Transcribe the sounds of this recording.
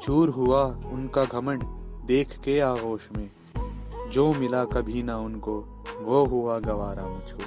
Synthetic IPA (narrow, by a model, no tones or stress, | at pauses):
t͡ʃʰuːɾɦʊaʊnkaɡʱɐməɳd̪eːkʰkeaːɣoːʃmẽː | d͡ʒoːmɪlakɐbʱinaʊnko | ʋoːɦʊaɡɐʋaːɾaːnat͡ʃʰuːɾ